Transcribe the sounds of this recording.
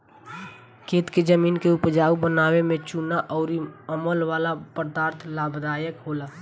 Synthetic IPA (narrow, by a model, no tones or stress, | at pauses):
kʰeːt̪ked͡ʒəmiːnkeʊpd͡ʒaːubənaːwemẽt͡ʃunaʔɔːɾiəməlʋaːlapəɾd̪aːɾt̪ʰlaːbʱd̪aːjəkɦoːlaː